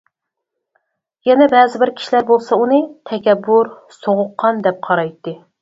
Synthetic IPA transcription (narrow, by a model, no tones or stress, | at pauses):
jɛnɛbɛːzɪbɪɾkʲʰi̥ʃilæɾbolˠsɑunɨt̪ʰɛkʲɛbːuɾ | soʁʊqʰːɑnd̪ɛp̚qʰɑɾɑjt̪ːɨ